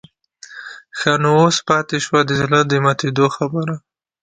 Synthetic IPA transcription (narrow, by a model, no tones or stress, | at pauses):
xɑnoospɑt̪eʃwad̪əzlad̪əmat̪ed̪oxabəɾa